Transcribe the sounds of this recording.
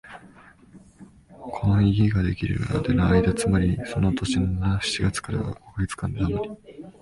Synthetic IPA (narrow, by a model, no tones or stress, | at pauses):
kʰo̞no̞iɡʲiɡad̪e̞kʲiɾɯ̟̰ɾa̰d̪enoaid̪at͡sɨmaɾʲiso̞no̞t̪o̞ɕinonaɕi̥t͡ɕiɡat͡sɨ̥kaɾa̰βa̰ko̞kɯ̟ɡʲet͡sɨ̥kãnd̪eamaɾʲi